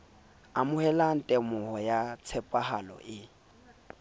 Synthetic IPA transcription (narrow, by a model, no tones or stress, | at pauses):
amʊhɛlan̩tʼɛmʊhɔjat͡sʰɛpʼahalɔ̰ʔɪ